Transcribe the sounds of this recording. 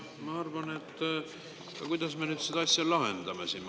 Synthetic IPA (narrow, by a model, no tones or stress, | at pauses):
mɑɑrvɑne̞t̪ː | kɑkujd̪̥ɑsme̞nyːd̪sed̪ɑɑsʲjɑlɑɦe̞̰nd̪ɑmesim